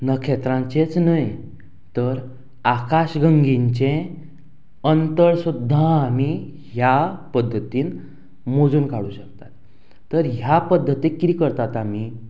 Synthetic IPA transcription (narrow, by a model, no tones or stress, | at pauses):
nəkʰet̪ɾãɲt͡ɕet͡snəj | t̪əɾ | akaɕɡəŋɡiɲt͡ɕẽ | ənt̪əɭsud̪ʱːãːmi | ɦjapəd̪ʱːət̪iːn | mod͡zuːnkaɽuːɕək̚t̪at̪ː | əɾɦjapəd̪ʱːət̪ik̪ikəɾt̪at̪ami